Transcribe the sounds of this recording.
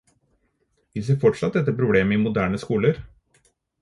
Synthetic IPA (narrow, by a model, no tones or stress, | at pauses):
ʋɪsefɔʈʂɑt̪̚d̪ɛt̪ːəpʰɾʊbleːməɪmʊd̪æːɳəskuːləɾ